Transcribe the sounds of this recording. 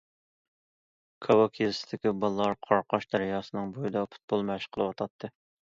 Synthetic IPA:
kʰɑwɑkʲʰezɪsɪd̪ɪkʲibɑlˠlˠɑɾqʰɑɾqɑʃd̪æɾjɑːsɨnɨŋbojɨd̪ɑpʰu̥t̪̚bolˠmɛʃqʰəlˠɨwɑt̪ʰɑt̪ʰːɨ

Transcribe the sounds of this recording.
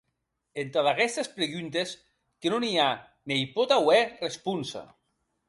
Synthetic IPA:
ent̪aðaɣɛst̪espɾeɣynt̪es | kenonia | nejpot̪awɛrespunsa̰

